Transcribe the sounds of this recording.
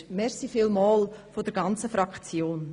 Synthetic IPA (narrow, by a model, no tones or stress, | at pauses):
mɛɾsifɪlmɑːlfodəɾɡɑnt͡səfɾɑkt͡sjoːn